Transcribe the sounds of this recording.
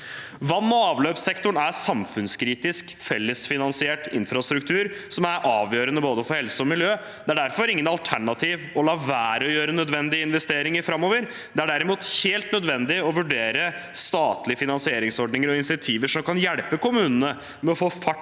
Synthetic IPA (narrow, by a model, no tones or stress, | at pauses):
ʋɑnːɔɑːʋløːpsɛkt̪ʊɳæɾsɑmfʉnskʰɾiːt̪ɪsk | fɛlːəsfɪnɑnsɪɛʈɪ̰nfɾɑst̪ɾʉk̚t̪ʰʉːɾsɔmæɾʔɑːʋjøːɾənəboːd̪əfɔɾhɛlsəɔmɪljøː | d̪̥ɛæɖæɾfɔɾɪŋːənɑlt̪ʰæɳɑt̪ʰiːʋɔlɑːʋæːɾɔjøːɾənœd̪ʋɛnd̪ɪəɪnʋɛst̪eːɾɪŋəɾfɾɑmːoːʋəɾ | d̪ɛæɖæɾɪmuːt̪heːlt̪nœd̪ʋɛnd̪ɪɔʋʉɖeːɾə | st̪ɑːt̪lɪəfɪnɑnsɪeːɾɪŋsɔɖnɪŋəɾɔɪnsɪɑt̪ʰiːʋəʂɔmkɑnjɛɽpəkʊmʉːnənə | mɛɔfoːfɑʈ